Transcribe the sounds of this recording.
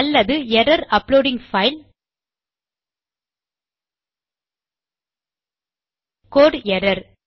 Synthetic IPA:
ɐlːɐðɯjɛɾɐɾɐploːɖɪŋfɐɪl | koːɖjɛɾɐɾ

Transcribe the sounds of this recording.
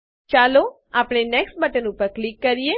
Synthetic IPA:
t͡ʃalo | apɽ̃enɛksʈ̚bəʈ̪enũpəɾklikːəɾije

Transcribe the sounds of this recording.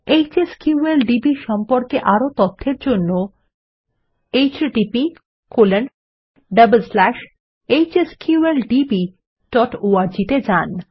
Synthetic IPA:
ejt͡ɕeskjuelɖibiɾʃɔmpoɾkeʔaɾot̪ot̪ʰːeɾd͡ʑonːo | ejt͡ɕɖipi | kolen | ɖəbəlslæʃ | ejt͡ɕeskjuelɖibi | ɖ̥ɔʈoaɾd͡ʑit̪ed͡ʑan

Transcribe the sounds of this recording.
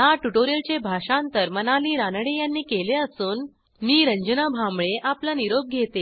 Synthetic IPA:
ɦaʈuʈoɾjəlt͡ɕebʱaɕãnt̪əɾmənaliːɾanɽejanːiːkeleəsuːn | miːɾəɲd͡ʑənabʱamɭeʔaplaniɾob̚ɡʱet̪e

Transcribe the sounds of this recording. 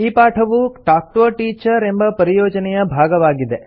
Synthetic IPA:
iːpaːʈʰɐʋuʈaːk̚ʈuʋɐʈiːt͡ʃɐɾembɐpɐɾijoːd͡ʒɐnɛjɐbʱaːɡɐʋaːɡid̪e

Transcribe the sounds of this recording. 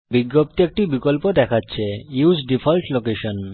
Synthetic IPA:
biɡːop̚t̪iek̚ʈibikolpod̪ɛkʰatːɕʰeusɖifʰɔlʈlokeʃon

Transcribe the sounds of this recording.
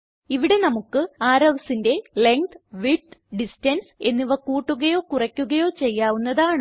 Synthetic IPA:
iʋiɽe̞nɐmukːɨaːɾɐʋɐsinde̞le̞ŋt̪ʋiʈɖistɐnse̞nːiʋɐkːuːʈːuɣɐjo̞ːkurɐkʲːuɣɐjo̞ːt͡ɕe̞jːaːʋunːɐðaːɳ

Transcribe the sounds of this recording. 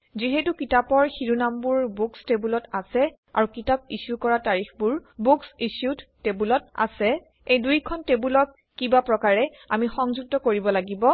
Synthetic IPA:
ziɦetukitapɔɹxiɹunambuɹbukstebulɔtasɛ | a̰ɹukitap̚isjukɔɹataɹixbuɹbuksisjudtebulɔt̚a̰sɛ | ejdujkʰɔntebulɔkːibapɹɔkaɹɛ | a̰mixɔŋzuk̚tɔkoɹibɔlaɡibɔ

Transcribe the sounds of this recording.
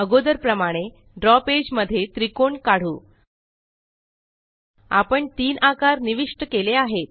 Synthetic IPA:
əɡod̪əɾpɾəmaɽ̃e | ɖɾɔped͡ʑməd̪ʱːjet̪ɾikoɳkaɽ̤ṵː | a̰pəɳt̪iːnakaɾniʋiʂʈəkeleaɦet̪̚

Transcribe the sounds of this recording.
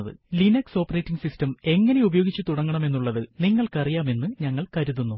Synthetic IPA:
ðɨ̰linɐkso̞ːpːɐreːtːiŋsistɐme̞ŋːɐne̞ubɐjo̞ːɡit͡ɕːɨt̪uɽɐŋːɐɳɐme̞nːuɭːɐðɨniŋːɐɭkɐrijaːme̞nːɨɲɐŋːɐɭkɐɾuðunːu

